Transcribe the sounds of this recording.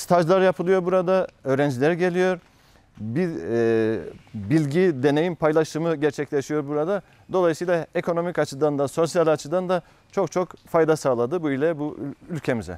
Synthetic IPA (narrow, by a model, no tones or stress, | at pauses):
st̪ʰaʒlˠaɾjapʰɯlˠɯjo̞ɾbuɾad̪aø̞ːɾɛnd͡ʒilʲɛɾiɟe̞lʲijo̞ɾ | bi | bilʲɟid̪e̞ne̞jinpʰajlˠaʃɯmɯɟɛɾt͡ʃʰɛclʲe̞ʃijo̞ɾbuɾad̪a | d̪o̞lˠajɯsɯjlˠae̞kʰo̞no̞micat͡ʃʰɯd̪and̪aso̞sjalʲat͡ʃʰɯd̪and̪a | t͡ʃʰo̞kt͡ʃʰo̞kfajd̪asaːlˠad̪ɯbuilʲɛbuylʲcʰe̞mizɛ̰